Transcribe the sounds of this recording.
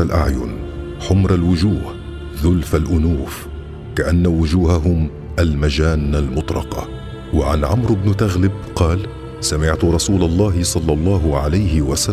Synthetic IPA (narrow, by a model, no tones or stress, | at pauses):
alʔa̰ʕjʊ̰n | ħʊmɾalwʊd͡ʒuːh | ðʊlfalʔʊnuːf | kaʔanːawʊd͡ʒuːhaɦʊm | ʔalmad͡ʒaːnːalmʊt̪ˤlɑ̰qɑ̰ | waʕa̰nʕamɾɪbnʊt̪aɣlɪb̚ | qɑːl | samɪʕt̪ʊɾˤɑsuːlɑlˤːɑːɦɪsˤɑlːɑlˤːɑːɦʊʕalajhɪwasa